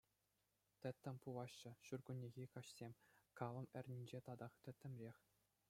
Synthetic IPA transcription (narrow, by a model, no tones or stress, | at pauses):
t̪ʲɘ̆t̪ʲːɘ̆mʲpuʋɑɕːɤ̆ɕurɡunʲːeɣʲikɑɕsʲemʲkɑlˠɤ̆mɘ̆rʲnʲinʲd͡ʑet̪ɑd̪ɑχt̪ɘ̆t̪ʲːɘ̆mʲrʲexʲ